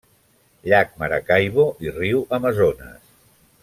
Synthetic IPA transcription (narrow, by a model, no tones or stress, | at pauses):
ʎak̚məɾa̰kajβoʔiriwəməzonə̰s